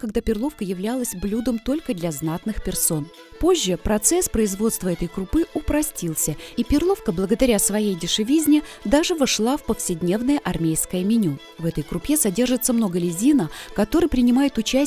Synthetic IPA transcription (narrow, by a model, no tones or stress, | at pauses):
kɐɡd̪apʲɪrlˠo̞fkəjɪvlʲalˠəsʲblʲud̪əmt̪o̞lʲkəd̪lʲɐznat̪nɨxpʲɪrso̞n | po̞ʑːəpɾɐt̪sɛspɾəɪzvo̞t̪st̪vəɛt̪əjkɾʊpɨʊpɾɐsʲtʲilˠsʲəipʲɪrlˠo̞fkəblˠəɡəd̪ɐɾʲasvɐjejdʲɪʂɨvʲizʲnʲɪ | d̪aʐɨvɐʂlˠafpəfsʲɪdʲnʲe̞vnəjəʔɐrmʲejskəjəmʲɪnʲu | vɛt̪əjkɾʊpʲesɐdʲe̞rʐɨt̪səmno̞ɡəlʲɪzʲinəkɐt̪o̞ɾɨjpɾʲɪnʲɪmajɪt̪ʊt͡ɕæ